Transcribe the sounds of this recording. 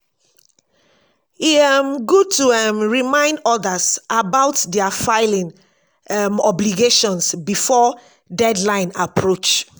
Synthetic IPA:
iɛmɡud̚tuɛmɹimãɪ̃ndɔdəsʔabaʊtdɛafaɪlĩn | ɛmɔbliɡeʃɔ̃nsbifɔ | dɛdlãɪ̃napʰɹot͡ʃ

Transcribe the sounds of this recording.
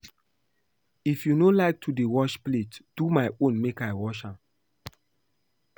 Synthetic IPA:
ifjunolaɪk̚tʰudewɔʃpletd̥umaɪõnmekaɪwɔʃãm

